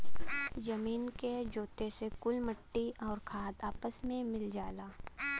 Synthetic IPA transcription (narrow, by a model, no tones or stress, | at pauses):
d͡ʒɐmiːnked͡ʒoːt̪esekʊlməʈːiɔːɾkʰaːd̪aːpəsmẽmɪld͡ʒaːlaː